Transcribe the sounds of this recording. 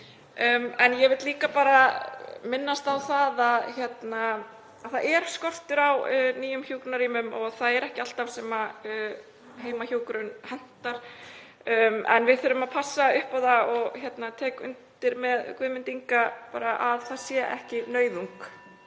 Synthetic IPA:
ʏmɛnjɛvɪɾt̪liːkapaːɾamɪnːast̪awθaðaðçjɛt̪naː | ðθaðɛɾ̥skɔr̥t̪ʏɾawniːjʏmçuːknaɾimʏmɔɣθaðɛɾɛhcɪal̥t̪avsɛma | heːjmaçuwkɾʏnhɛn̥t̪aɾ̥ | mɛ̰nvɪðθʏɾʏmaðpʰasːaʏhpawθaɔɣçjɛt̪nat̪ʰɛːkʏ̰nt̪ɪɾmɛðkvʏðmɪnt̪iŋkapa̰ːɾaʔaðθaðsjɛʔɛ̰hcɪnœːɥðuŋk

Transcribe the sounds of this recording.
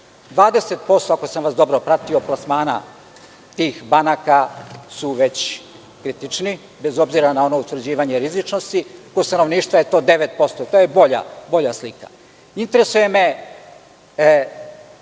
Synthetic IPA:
d̪ʋaːd̪e̞set̪̚po̞st̪oakosamʋasd̪o̞bɾo̞pɾat̪io̞plˠasmaːna̰ | t̪iːxbanakasuʋe̞t͡ɕ | kɾit̪it͡ʂni | be̞zo̞bziɾanao̞no̞ut̪ʋr̩d͡ʑiːʋaɲe̞ɾizit͡ʂnost̪ikost̪ano̞ʋniːʃt̪ʋaje̞t̪o̞ːd̪e̞ʋe̞t̪̚po̞st̪ot̪ojebo̞ʎa̰bo̞ʎaslika̰ | int̪e̞ɾesuje̞me̞

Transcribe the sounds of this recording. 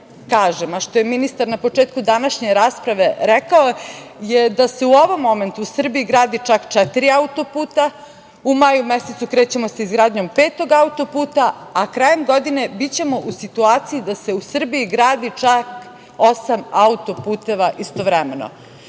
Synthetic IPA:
kaːʒemaʃt̪o̞jeminist̪aɾnapo̞t͡ʂeːt̪kud̪anaʃɲe̞ɾaːspɾaʋe̞ɾɛkaojed̪aseuo̞ʋo̞mːo̞me̞nt̪uusr̩biiɡɾaːd̪it͡ʂakt͡ʃɛt̪iɾiaut̪o̞puːt̪a | umaːjumeset̪sukɾet͡ɕe̞mo̞saizɡɾaːd̪ɲo̞mpe̞ːt̪o̞ɡaut̪o̞puːt̪aakɾajemɡo̞d̪ine̞bitt͡ɕe̞mo̞ʔusit̪uaːt̪sijid̪ase̞usr̩biiɡɾaːd̪it͡ʂak | osamaut̪o̞puːt̪e̞ʋaʔist̪o̞ʋɾɛmeno̰

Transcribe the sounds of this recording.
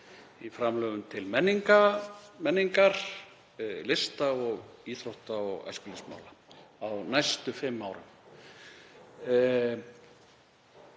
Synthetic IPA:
ifɾamlœːɣʏmt̪ʰɪlmɛnːiŋkamɛnːiŋkaɾ̥ | lɪst̪aɔɣiθɾowht̪aɔɣa̰jskʏlɪsma̰ːwlaawnajst̪ʏfɪmːaːwɾʏ̰m

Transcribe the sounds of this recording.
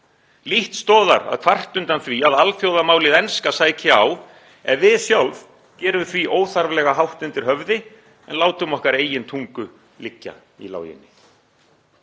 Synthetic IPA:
liht̪st̪ɔːðaɾa̰ðkʰv̥ar̥t̪ʏnt̪anθviaðalfjoːwðamaːwlɪðɛnskasaːjcʰaaw | ɛvɪðsjawlv | cɛːɾʏmθviʔoːwθaɾvlɛːɣaɦawht̪ʏnt̪ɪɾ̥ɦœvðɪ | ɛ̰nlaːwt̪ʏmɔhkaɾeːjɪnt̪ʰuŋkʏ | lɪcːa̰ | ḭla̰ːwjɪ̰nːɪ

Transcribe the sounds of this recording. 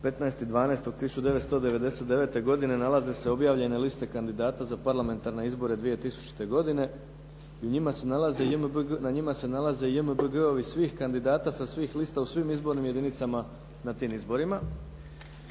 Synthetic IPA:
pe̞t̪naest̪id̪ʋaːnaest̪oɡ̚t̪isu̥t͡ʃud̪e̞ʋe̞t̪st̪o̞d̪e̞ʋe̞d̪e̞se̞t̪̚d̪e̞ʋe̞t̪e̞ɡo̞d̪ine̞nalaze̞se̞o̞bjaːʋʎe̞ne̞list̪e̞kand̪id̪aːt̪azapaɾlame̞nt̪aɾne̞izbo̞ɾe̞d̪ʋije̞t̪isu̥t͡ʃu̥t̪e̞ɡo̞d̪ine̞ | iuɲimase̞nalaze̞naɲimase̞nalaze̞iembəɡəoʋisʋiːxkand̪id̪aːt̪asasʋiːxliːst̪ausʋimizbo̞ɾnimje̞d̪init̪sama | nat̪iːmizbo̞ɾima

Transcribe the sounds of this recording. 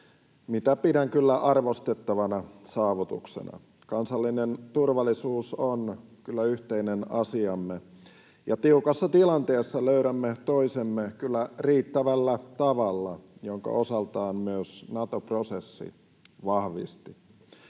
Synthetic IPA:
mit̪æpidæŋkylːæʔɑrʋost̪et̪ːɑʋɑnɑsɑːʋut̪ṵksḛnɑ̰ | kɑnsɑlːinent̪urʋɑlːˑisuːsonkylːæyht̪einenɑsiɑmːe | jɑt̪iukɑsːɑt̪ilɑnt̪eːsːɑløyɾæmːet̪oisemːekylːæriːt̪ːæʋælːæt̪ɑʋɑlːɑjoŋkɑ̰osɑlt̪ɑːnmyøsnɑt̪oprosesːḭ | ʋɑhʋḭst̪i

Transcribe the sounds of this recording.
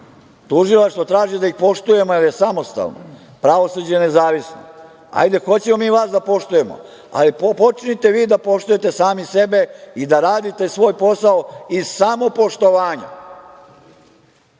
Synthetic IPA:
t̪uʒilaʂt̪ʋot̪ɾaːʒid̪aixpo̞ʂt̪uje̞moeljesamo̞st̪a̰ʋno̰ | pɾaʋo̞sud͡ʑejenezaːʋisno̰ | a̰jd̪e̞xo̞t͡ɕemomiːʋaːsd̪apo̞ʃt̪uje̞mo̞̰ | a̰lippo̞t͡ʃinit̪e̞ʋiːd̪apo̞ʃt̪uje̞t̪e̞saːmise̞be̞id̪aɾaːd̪it̪e̞sʋo̞ːjpo̞saoiz̥samo̞po̞ʃt̪o̞ʋaːɲa̰

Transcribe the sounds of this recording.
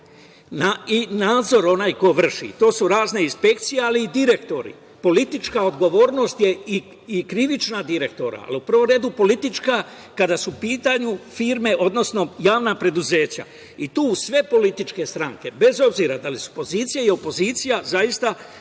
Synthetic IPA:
nainaːd̪zo̞ɾo̞naːjko̞ʋr̩ʂḭt̪o̞ːsuɾaːzne̞inspe̞kt̪sijealiːd̪iɾe̞kt̪o̞ɾḭ | po̞lit̪it͡ʃkaod̪ɡo̞ʋo̞ːɾno̞ːst̪je̞i | ikɾiʋit͡ʃnad̪iɾe̞k̚t̪o̞ɾa̰a̰liupr̩ʋo̞mɾe̞ːd̪upo̞lit̪it͡ʃka | kad̪asupiːt̪aɲufiːɾme̞ʔo̞d̪no̞sno̞jaːʋnapɾe̞d̪uze̞ːt͡ɕa̰ | it̪uːsʋe̞po̞lit̪it͡ʃke̞st̪ɾaŋke̞be̞zo̞bziːɾad̪alisu̥po̞ziːt̪sijaio̞po̞ziːt̪sijazajist̪a

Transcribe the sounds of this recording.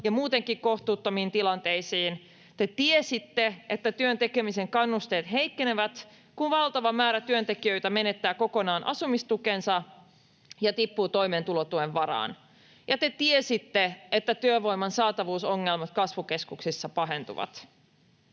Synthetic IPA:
jɑmuːt̪eŋkiko̞ht̪uːt̪ːomiːnt̪ilɑnt̪e̞isiːn | t̪e̞t̪iesit̪ːeʔet̪ːæt̪yønt̪e̞ke̞miseŋkɑnːust̪e̞ːt̪ɦejkːe̞ne̞ʋæt̪ | kunʋɑlt̪ɑʋɑmæːɾæt̪yønt̪ekijø̞jt̪æme̞ne̞t̪ːæːko̞konɑːnʔɑ̰sumist̪ukensɑ | jɑt̪ipːuːt̪o̞jmeːnt̪ulo̞t̪ueʋʋɑɾɑ̰ːn | jɑt̪e̞t̪iesit̪ːeet̪ːæt̪yøʋo̞jmɑnsɑːt̪ɑʋuːsoŋːelmɑt̪kɑsʋuke̞skuksisːɑpɑɦe̞nt̪ṵʋɑ̰t̪

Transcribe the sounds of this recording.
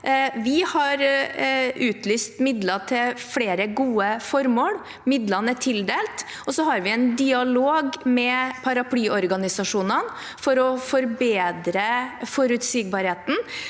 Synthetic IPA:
ʋɪhɑɾ | ʉːt̪ʰlyːst̪mɪd̪lɑt̪ʰɪlfleːɾəɡuːəfɔɾmoːɽ | mɪd̪lɑnəʈʰɪld̪eːlt̪ | ʔɔsɔɦɑɾʋɪɛnd̪ɪɑloːɡmɛpʰɑɾɑpʰlyːɔɾɡɑnɪsɑʂuːnən | fɔɾɔfɔɾbeːd̪ɾəfɔɾʉːt̪siɡ̚bɑɾheːt̪n̩

